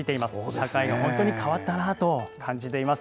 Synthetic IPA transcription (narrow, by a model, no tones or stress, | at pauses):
it̪e̞imasɨ̥ɕakaiɡahõ̞nt̪o̞ɲ̟ikʰaβat̪ːanat̪o̞kʰãɲ̟d͡ʑit̪e̞imasɨ̥